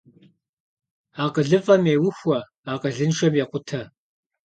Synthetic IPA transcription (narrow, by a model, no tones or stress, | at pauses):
aːqəɮɨfʼɐmeːwʊxʷɐ | aːqɐɮɨnʃɐmjɛqʷʼʊtʰɐ